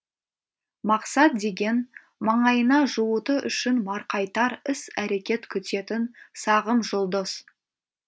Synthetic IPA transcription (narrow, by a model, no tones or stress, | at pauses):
mɑqsɑt̪̚d̪e̞ɡʲe̞n | mɑɴɑjənɑʒuwət̪əʔʏ̰ʃɪnmɑɾqɑjt̪ɑɾɪsæɾe̞kʲe̞t̪kʲʰʏt̪e̞t̪ɪnsɑʁəmʒʊlˠd̪əz̥